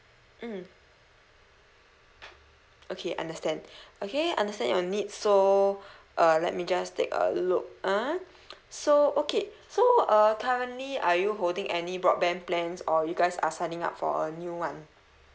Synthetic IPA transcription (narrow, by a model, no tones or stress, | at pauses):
m̩ | ʔokʰeʔã̰ndəstɛ̃ndokeã̰ndəstɛ̃njɔnitso | ʔʌlɛ̰t̚mid͡ʒastʰḛkə̰luk̚a | soʔoke | soʌkʰaɹə̃nliajuɦoldĩŋʔɛnibɹɔt̚bɛ̃nplɛ̃nsɔjuɡaɪsa̰sãɪnɪ̃ŋa̰p̚fɔ̰ənjuwãn